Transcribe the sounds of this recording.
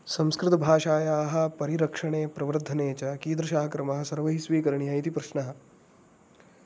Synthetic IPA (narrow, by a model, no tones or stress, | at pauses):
sɐmskɾɪt̪ɐbʱaːʃaːjaːɦɐ̆pɐɾiɾɐkʂɐɳeːpɾɐʋɐɾd̪ʱːɐneːt͡ʃɐkiːd̪ɾɐʃaːɦɐkɾɐmɐɦɐ̆sɐɾʋɐɦisʋiːkɐɾɐɳiɦɐit̪ipɾɐʃnɐɦɐ̆